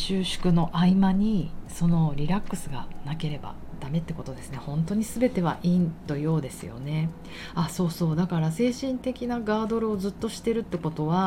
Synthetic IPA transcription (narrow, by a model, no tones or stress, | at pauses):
ɕɨːɕɨ̥kɯ̟no̞ʔaimaɲ̟iso̞no̞ɾʲiɾakːɯ̟sɨɡanake̞ɾe̞ba̰ | d̪̥ame̞t̪ːe̞ko̞t̪o̞d̪e̞sɨne̞hõ̞nt̪o̞ɲ̟isɨbe̞t̪e̞βa̰ʔĩnt̪o̞jo̞ːd̪e̞sɨ̰jo̞̰ne̞ | aso̞ːso̞ːd̪akaɾase̞ːɕĩnt̪e̞kʲinaɡaːd̪o̞ɾɯ̟o̞zɨt̪ːo̞ɕi̥t̪e̞ɾɯ̟t̪ːe̞ko̞t̪o̞βa